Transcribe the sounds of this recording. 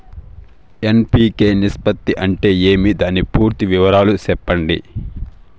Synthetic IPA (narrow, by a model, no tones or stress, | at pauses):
enpiːke̞ːnispɐt̪ːiʔɐɳʈe̞ːe̞ːmid̪aːnipuːɾt̪iʋiʋɐɾaːlusɛpːɐɳɖḭ